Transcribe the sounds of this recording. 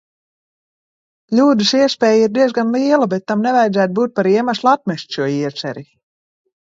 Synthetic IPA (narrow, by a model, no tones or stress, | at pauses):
lʲuːd̪ɨsiɛspʲɛːjiɾd̪iɛzɡanliɛlˠubɛt̪ːamnɛvajd̪zæːt̪̚buːt̪̚paɾiɛmʲaslˠat̪̚mʲɛʃʲt̪ʃuɔiɛsɛ̰ɾi